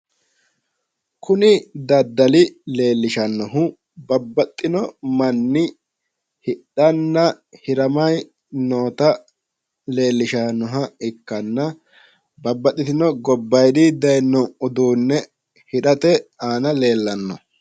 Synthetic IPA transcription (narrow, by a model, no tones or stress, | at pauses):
kʰʊnɪd̪ɐd̪ːɐlɪle̞ːlːɪʃɐnːɔɦʊ | bɐbːɐt̪ʼːɪnɔmɐnːɪ | hɪɗɐnːɐ | hɪɾɐmɐj | noːt̪ɐ | le̞ːlːɪʃɐnːɔɦɐɪkːɐnːɐ | bɐbːɐt̪ʼːɪt̪ɪnɔɡɔbːɐjd̪ɪd̪ɐjnːɔʊd̪uːnːɛ | hɪɗɐt̪ɛaːnɐleːlːɐnːɔ